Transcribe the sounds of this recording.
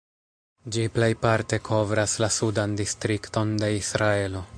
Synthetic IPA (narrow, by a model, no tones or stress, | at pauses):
d͡ʒiple̞jpaɾte̞kʰo̞vɾaslasudandistɾikto̞nde̞isɾae̞lo̞